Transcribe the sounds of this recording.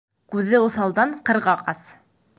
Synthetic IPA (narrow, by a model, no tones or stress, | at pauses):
kʉðɘuθɑlˠd̪ɑɴqɤ̆ɾʁɑqɑs